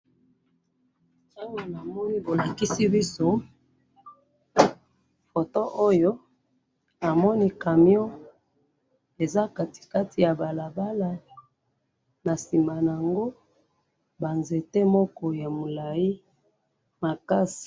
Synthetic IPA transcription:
ta˦ŋɡo˨na˨mɔ˦ni˦bo˨la˨ki˦si˦bi˦so˦ | fo˨to˦ʔo˦jo˦ | a˨mɔ˦ni˦ka˨mjɔ˦ | e˨za˦ka˨ti̥˨ka˦tʰi˨ja˨ba˨la˨ba˦la˨ | na˨si˨mba˨n˨a˨ŋɡo˦ | ba˨nze˨te˦mɔ˦kɔ˦ja˨mo˨la˨ji˦ | ma˨ka˦si̥˨

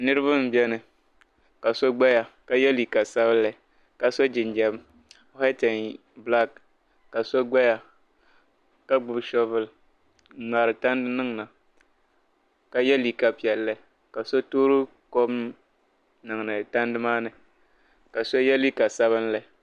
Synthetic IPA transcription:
nɨ˦ɾɨ˦βa˦m̩˦bɛ˦nɨ˨ | ka˨so˦ɡ͡ba˦ja˨ka˨jɛ˦li˨ka˨sa˦bɨ˦n˦la˨ | ka˨so˦d͡ʒɪ˨nd͡ʒɛ˦b | hɛ˦tɛ˨n | bla˦k | kːa˨so˦ɡ͡ba˦ja˨ | ka˦ɡ͡bʊ˨bʃɔ˦vɨ˦l | na˨ɾɨ˨ta˦ndɨ˦nɨ˦ŋ˨na˨ | ka˨jɛ˦li˨ka˨pi˨ɛ˨lːɨ˦˨ | ka˨so˦toː˦ɾɨ˦ | ko˦m | nɨ˨ŋ˨nɨ˨ta˦ndɨ˦maː˦nɨ˨ | ka˨so˦jɛ˦li˦ka˨sa˦βɨ˦nla˨

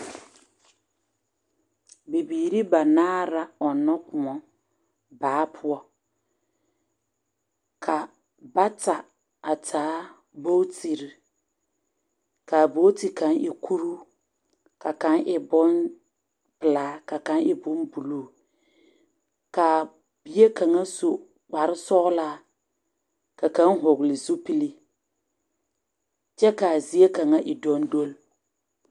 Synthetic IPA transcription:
bi˨biː˨ɾi˦ba˨naː˦ɾa˦ɔ˨nɔ˦kʊ˨ɔ˨ | baː˨˦pʰʊ˦ɔ˦ | kʰa˨ | ba˦ta˨ | a˨tʰaː˨˦ | bo˦ti˨ɾi˨ | ka˨bo˦ti˨kã˨˦nʔɪ˨kʰu˦ɾu˦ | ka˨ka˨˦nʔɪ˨bʊ˦n | pɨ˨la˦ka˨ka˨˦nɪ˨bʊ˦nbu˨lu˦˨ | ka˨ | b̥i˨je˦ka˨ŋa˦so˨ | k͡pa˨ɾɪ˦sɔ˦la˦ | ka˨ka˨˦n˦ɦʊ˨ɡlɪ˨zu˦pi˦li˦ | t͡ʃɛ˦ka˨zi˨˦e˦ka˨ŋa˦ʔɪ˨dɔ˦n˦do˦l

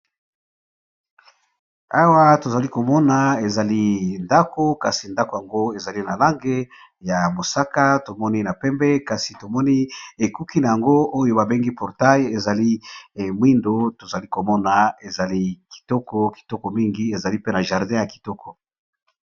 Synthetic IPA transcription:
a˦wa˦to˨za˨li˦ko˨mɔ˦na˨e˨za˨li˦nda˦ko˦ka˨si˨nda˦ko˨ja˨ŋɡo˦e˨za˨li˦na˨la˦ŋɡe˦ | ja˨mo˨sa˦ka˦to˨mɔ˦ni˦na˨pɛ˦mbɛ˦ka˨si˨to˨mɔ˦ni˦e˨ku˦ki˦na˨ja˨ŋɡo˦o˦jo˦ba˨be˦ŋɡi˦pɔ˨ʁta˦je˨za˨li˦˨mwi˦ndo˦to˨za˨li˦ko˨mɔ˦na˨e˨za˨li˦ki̥˨tɔ˦kɔ˨ki̥˨tɔ˦kɔ˨mi˦ŋɡi˦e˨za˨li˦pe˦na˨ʒa˨ʁdɛ̃˦ja˨ki̥˨tɔ˦kʰɔ˨

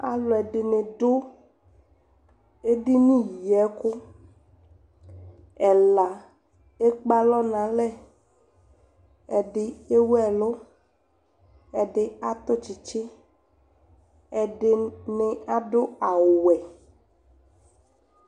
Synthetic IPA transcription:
a̰˨lo˨ɛ˨ɖe˨nẽ˨ɖo˦ | e˦ɖi˦nĩ˦ji˨ɛ˦ko˦ | ɛ˨la˨ | e˦k͡pa˦lɔ˦nã˨lɛ˦˨ | ɛ˨ɖɪ˨e˦wɛ˨lo˦ | ɛ˨ɖɪ˦a˦t̪o˦t͡ʃi˨t͡ʃe˦ | ɛ˨ɖe˦ne˨a˦ɖo˦a˨wo˨wɛ˨

